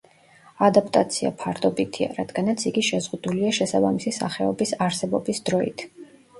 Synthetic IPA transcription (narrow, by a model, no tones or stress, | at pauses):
ad̪apʼt̪ʼat̪sʰia̰pʰaɾd̪ɔbit̪ʰia̰ɾad̪̥ɡanat̪sʰiɡiʃɛzʁud̪uliaʃɛsabamisisa̰χɛɔbisaɾsɛbɔbisd̪̥ɾɔḭt̪ʰ